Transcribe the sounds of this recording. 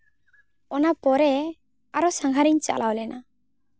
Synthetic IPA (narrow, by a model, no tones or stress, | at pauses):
ɔnapɔɾɛ | aɾɔsaŋɡʱaɾiɲt͡ʃa̰lʔawlɛnʔa